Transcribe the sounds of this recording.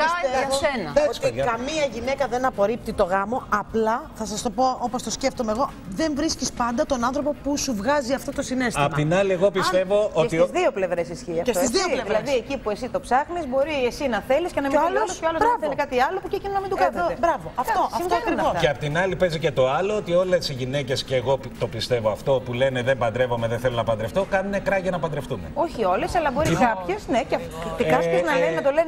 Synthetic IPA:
ssenɐesɐkɐmiɐʝine̞kɐðe̞nɐpo̞ɾip̚t̪it̪o̞ɣɐmo̞ɐplɐθɐsɐst̪o̞po̞o̞po̞st̪o̞sceft̪o̞me̞ɣo̞ | ðe̞ɱvɾiscispɐnd̪ɐt̪onɐnθɾo̞po̞pusuvɣɐziɐft̪ot̪o̞sine̞sɐipmoɐt̪inɐlieɣo̞pisst̪evo̞ost̪izðiople̞vɾesisçiɐfesizðioleðiɾlɐðsiecipuesit̪o̞psɐɣnizbo̞ɾiesinɐθe̞liscenɐmiilsoɐlobɾɐvθenkɐt̪iɐlo̞pucecinonɐmind̪okɐeebɾɐvoɐft̪oɐimeɐeɐpot̪inɐlipe̞zice̞t̪o̞ɐloot̪io̞lesiʝinece̞sceːɣo̞pt̪o̞pist̪e̞voɐft̪o̞pule̞neðembɐnd̪ɾevo̞meðeθelonɐpɐnd̪ɾeft̪o̞kɐnunekɾɐʝɐnɐpɐnd̪ɾeft̪umḛo̞çio̞lesɐlɐbo̞ɾikɐpçesnece | t̪kɐseznɐlennɐt̪o̞le̞n

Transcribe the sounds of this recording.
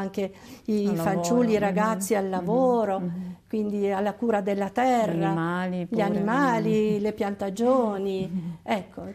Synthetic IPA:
ŋke | iːfant͡ʃulːiɾaɡat̪sːialːavoːɾokwind̪ialːakuːɾad̪elːat̪ɛrːaaliʎanimaːlilepjant̪ad͡ʒoːniɛkːo

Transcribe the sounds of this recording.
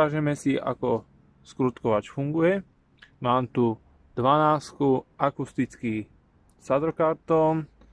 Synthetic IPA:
aːʒɛmɛsiʔa̰kɔ | skɾut̪kɔʋat͡ʃfuŋɡujɛ | maːmt̪u | d̪ʋanaːskuʔakust̪it͡ski | sad̪ɾɔkaɾt̪ɔn

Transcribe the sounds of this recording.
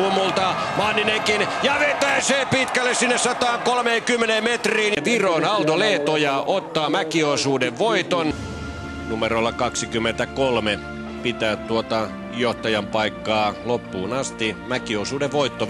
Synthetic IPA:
uomːult̪ɑ | mɑːnːineŋkinjɑʋet̪æiseːpit̪kælːessinːessɑt̪ɑːŋkolmeːkymːeneːmmet̪riːnʋiroːnɑlt̪oleːt̪ojɑʔot̪ːɑːmækiosuːdeʋʋoit̪on | numerolːɑkɑksikymːent̪ækolme | pit̪æːtt̪uot̪ɑ | joht̪ɑjɑmpɑikːɑːlopːuːnɑst̪imækiosuːdeʋʋoit̪ːo

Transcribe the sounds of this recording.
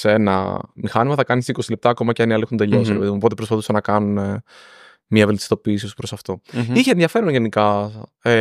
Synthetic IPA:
senɐ̰mixɐnimɐθɐkɐnisiko̞sile̞p̚t̪ɐːko̞mɐceɐniɐliexund̪e̞ʎosiɾepeðimuopot̪epɾo̞spɐθusɐnɐkɐnune | mɲɐvelt̪i̥st̪o̞piːsiot̪u̥pɾo̞sɐft̪o̞içeːnðʝɐfe̞ɾonʝe̞nikɐe

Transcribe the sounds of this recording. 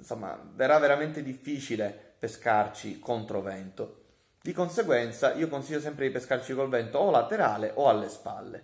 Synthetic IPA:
nsomːa̰veɾavːeɾament̪ed̪ifːiːt͡ʃilepeskart͡ʃikont̪ɾovɛnt̪o | d̪ikonseɡwɛnt̪saʔiːokonsiʎːos̬ɛmpɾed̪ipeskart͡ʃikolvɛnt̪oːlat̪eɾaːleʔoalːespa̰lːḛ

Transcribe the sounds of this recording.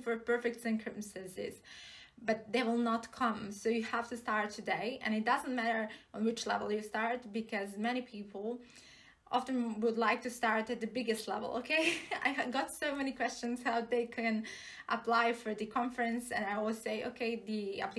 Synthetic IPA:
fə˞pʰɜ˞fɪk̚tsɪ̃ŋkʰɹ̥ɨtnsɨsɪ̰z̥bʌt̪̚ðeɪwɪlˠnətkʰʌ̃msoʊjɨhæftɨstɑɹtʰɨdeɪɨ̰̃nɨt̚d̥ʌzə̃n̩mæɾə˞ə̃nwɪt͡ʃlɛ̰vl̩ˠjɨstɑɹt̚bɨkʰʌzmɛɾ̃ipʰipʰl̩ˠ | ʔɑ̰fɨ̃nwədˡlaɪk̚tɨstɑɹɾɨt̪̚ðɨbɪɡɨstˡlɛ̰vlˠo̰ʊkʰeɪa̰ɪɡɑtsoʊmɛnikʰw̥ɛst͡ʃɨ̃nz̥haʊðeɪkʰɨ̃n | ʔəpʰl̥aɪfə˞ðɨkʰɑ̃ɱfɹɨ̃nsɨ̰̃naɪɔlˠwz̥seɪʔo̰ʊkʰeɪðiæ̰p

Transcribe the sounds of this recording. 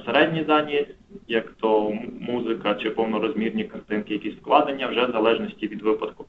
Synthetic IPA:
seɾɛdʲnʲizɑnʲi | jɐkt̪ɔmuzɪkɐt͡ʃɪpɔwnɔɾɔzʲmʲirnʲikɐrt̪ɪnkɪjɐkʲisʲfklˠɑd̪enʲːɐwʒɛzɐlˠɛʒnɔsʲtʲiʋʲid̪ʋɪpɐt̪kʊ

